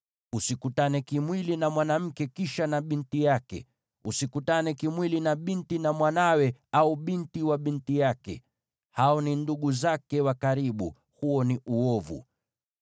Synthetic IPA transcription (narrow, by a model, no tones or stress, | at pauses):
usikutanɛkimwilinamwanam̩kɛkiʃanaɓintijakɛ̰ | usikutanɛkimwilinaɓintinamwanawɛauɓintiwaɓintijakɛ̰ | haɔninduɠuzakɛwakaɾiɓṵ | huɔniʔuɔvṵ